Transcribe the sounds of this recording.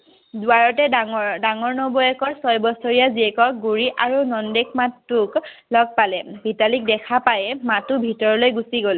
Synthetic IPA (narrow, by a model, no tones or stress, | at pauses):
dʊaɹɔtɛdaŋɔɹnɔbɔɛkɔɹsɔjbɔsɔɹijaziɛkɔk̚ɡuɹiʔaɹunɔndek̚matːuk | lɔɡ̚palɛbʱitalik̚dɛkʰapajɛmatubʱitɔɹɔlojɡusiɡolɛ